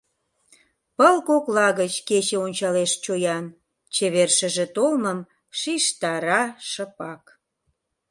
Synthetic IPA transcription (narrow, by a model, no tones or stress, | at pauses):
pəlkoklɑɣət͡ɕket͡ɕeonʲt͡ɕɑleʃt͡ɕojɑn | t͡ɕeβerʃə̆ʒĕt̪olməm | ʃiʃt̪ɑɾɑʃə̆pɑk